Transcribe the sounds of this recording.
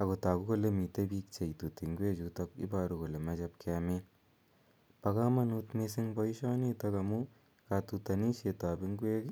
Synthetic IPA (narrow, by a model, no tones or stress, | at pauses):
ɐɡot̪aːɡuɡolːemit̪ebiːk̚t͡ʃɐjt̪ut̪iŋɡueːd͡ʒut̪ɐkḭbaːɾuɡolemɐd͡ʒɐp̚kame | pɐɡaːmɐnut̪mesiŋbɔjʃaːnit̪ɐkɐmu | kat̪ut̪ɐniʃet̪aːbiŋɡueːɡ